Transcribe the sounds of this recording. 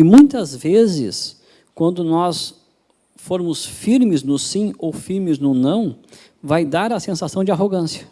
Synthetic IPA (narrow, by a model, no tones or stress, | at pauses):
ɪmũj̃t̪ɐzvezɪ̰s | kwɐ̃nd̪ʊnɔs | foɾmʊsfiɾmɪznʊsĩowfiɾmɪznʊnɐ̃w̃ | vajd̪aɾɐsẽsasɐ̃w̃d͡ʒɪaɦoɡɐ̃sjɐ